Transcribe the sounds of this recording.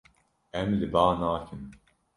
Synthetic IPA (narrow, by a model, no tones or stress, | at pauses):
ɛmlɨbaːnaːkʰɨn